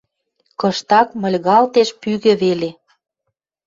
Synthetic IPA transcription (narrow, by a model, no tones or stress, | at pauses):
kɤ̆ʃt̪ɑkmə̆lʲɣɑlt̪eʃpyɣɘ̆βele